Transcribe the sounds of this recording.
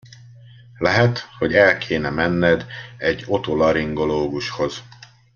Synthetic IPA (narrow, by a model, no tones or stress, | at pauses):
lɛɦɛt̪ho̞ɟɛlkʰeːnɛmɛnːɛd̪ɛɟːo̞t̪olɒɾiŋɡo̞loːɡuʃho̞z̥